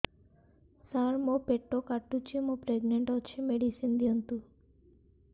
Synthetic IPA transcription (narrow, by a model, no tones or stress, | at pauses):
saɾmopeʈːokaʈːut͡ʃʰimõpɾeɡneɳʈɔt͡ʃʰimeɽisind̪ijɔnt̪u